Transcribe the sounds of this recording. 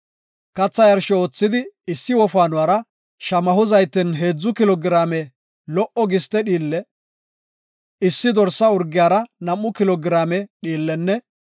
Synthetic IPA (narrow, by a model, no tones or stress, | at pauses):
kɐt͡sːɐjɐɾʃɔoːt͡sːɪd̪ɪɪsːɪwɔfaːnʊwaːɾɐ | ʃɐmɐɦʊzɐjt̪ːɪnɦe̞ːd͡zːʊkɪlɔɡɪɾaːmɛ | lɔʔɔɡɪst̪ːɛɗiːlːɛ | ɪsːɪd̪ɔɾsːɐʊɾɡːɪjaːɾɐnɐmːʊkɪlɔɡɪɾaːmɛɗiːlːɛnːɛ